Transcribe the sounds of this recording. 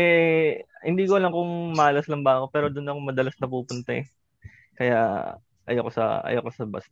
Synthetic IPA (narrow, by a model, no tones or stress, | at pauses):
ɛ | hɪnd̪iːkoɐlɐŋkʊŋmɐʔɐlɐslɐmbaːʔkopɛːɾod̪ʊnɐkoŋmɐd̪ɐlasnɐpuːpʊnt̪ɐ̰ɛ | kɐja | ʔɐ̰jokosɐ̰ʔɐ̰jokosɐbɐ̰s